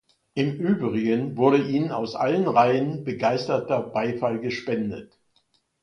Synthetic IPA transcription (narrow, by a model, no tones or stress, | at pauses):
ʔɪmʔyːbʁɪɡənvʊɐɾəʔiːnəna̰ʊsʔa̰lənʁaɪənbəɡaɪstɐtɐbaɪfalɡəʃpɛndə̰t